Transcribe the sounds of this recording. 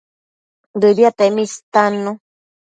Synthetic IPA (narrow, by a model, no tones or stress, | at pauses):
d̪ɨdiat̪emĩst̪anũ